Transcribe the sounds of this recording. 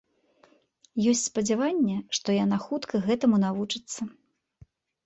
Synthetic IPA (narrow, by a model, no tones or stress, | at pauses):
jɔsʲtt͡sʲspɐd͡zʲavanʲːɛʂt̪ɔjan̪axut̪kʰɐɣɛt̪ɐmunavut͡ʂɨt̪sːɐ